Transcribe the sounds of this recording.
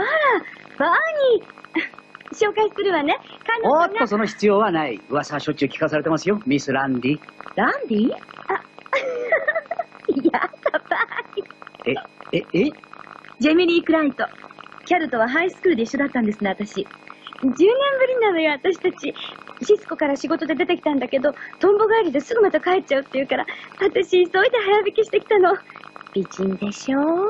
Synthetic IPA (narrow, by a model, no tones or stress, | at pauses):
maɾab̥aɲ̟i | ɕo̞ːkaissɨɾɯ̟βane̞kãnːotːoso̞no̞çi̥t͡sɨjo̞ːβanaiɯβasaɕo̞t͡ɕikʲi̥kasaɾe̞t̪e̞masɨjo̞mʲisɨɾãnd̪ʲiɾãnd̪ʲia | jat̪ːab̥aɲieee | d͡ʑe̞mʲiɾʲiːkɯ̟ɾait̪o̞kʲaɾɯ̟t̪o̞βaɦaisɨ̥kɯ̟ːɾɯd̪e̞iɕːo̞d̪at̪ːãnd̪esɨne̞at̪aɕid͡ʑɨːnẽ̞mbɯ̟ɾʲiɲinanojoβat̪aɕi̥t̪at͡ɕiɕisɨ̥ko̞kaɾaɕiɡo̞t̪o̞d̪e̞d̪e̞t̪e̞kʲi̥t̪ãnd̪ake̞d̪o̞t̪õ̞mbo̞ɡaːɾʲid̪esɨɡɯ̟mad̪ekaet̚t͡ɕaɯ̟t̪ːeiɯ̟kaɾaβat̪aɕiso̞id̪eɦajabʲikʲiɕi̥t̪e̞kʲi̥t̪ano̞b̥ʲiʑĩnd̪e̞ɕoː